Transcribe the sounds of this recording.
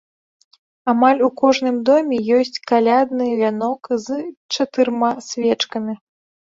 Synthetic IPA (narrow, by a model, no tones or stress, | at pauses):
amalʲukɔʐnɨmd̪ɔmʲɛjɔsʲt͡sʲkalʲad̪nɨvʲanɔkzt͡ʂat̪ɨɾmasʲvʲɛt͡ʂkɐmʲi